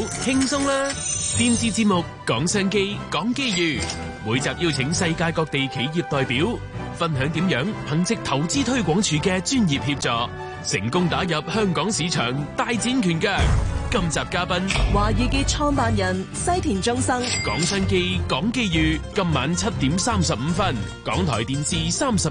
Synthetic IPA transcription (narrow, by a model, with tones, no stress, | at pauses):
hɪ˥ŋsʊ˥ŋlaː˥t̪iː˧˥mt͡siː˧t͡siː˧t̚mʊ˨kːɔː˨˥ŋsɐː˥ŋke˥jkɔː˨˥ŋke˥jjyː˨˧ | wuː˨˧jt͡saː˨p̚jiː˥wt͡sʰɪ˨˧˥ŋsɐ˧jkaː˧jkɔː˧k̚t̪e˨jkʰe˨˥jjiː˨p̚t̪ɔː˨jpiː˨˥w | fɐ˥nɦœː˨˥ŋt̪iː˨˥mjœː˨˥ŋhɐ˨˥ŋt͡sɪ˧k̚t̪ʰɐ˨˩wt͡siː˥t̪ʰɵ˥ɥkʷɔː˨˥ŋt͡ʃʰyː˨˥kɛː˧t͡ʃyː˥njiː˨p̚hiː˧p̚t͡sɔː˧k̚ | sɪ̰˨˩ŋkʊ˥ŋt̪aː˨˥jɐ˨p̚hœː˥ŋkɔː˨˥ŋsiː˨˧˥t͡ʃʰœ̰ː˨˩ŋt̪aː˧jt͡siː˨˥nkʰyː˨˩nkœː˧k̚kɐ˥mt͡saː˨p̚kaː˥pɐ˥nwaː˨jiː˨˧kiː˧t͡ʃʰɔː˥ŋpaː˧njɐ˨˩n | sɐ˥jt̪ʰiː˨˩nt͡ʃʊ˥ŋsɐ˥ŋkɔː˨˥ŋsœː˥ŋke˥jkɔː˨˥ŋke˥jjyː˨kɐ˧mːaː˨˥nt͡sʰɐ˥t̚t̪iː˨˥msaː˥msɐ˨p̚m̩˨˧fɐ˥n | kɔ̰ː˨˥ŋt̪ʰɔː˨˩jt̪iː˨nsiː˨˧saː˥msɐ˨